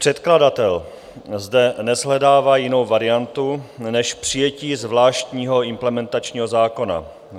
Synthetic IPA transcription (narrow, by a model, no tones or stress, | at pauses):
pr̝̥ɛt̪kladat̪ɛl | zdɛnɛzɦlɛdaːvaːjɪno̞wvaɾɪjant̪unɛʃpr̥ɪjɛciːzvlaːʃt̪ɲiːɦo̞ɪmplɛmɛnt̪at͡ʃɲiːɦo̞zaːko̞na̰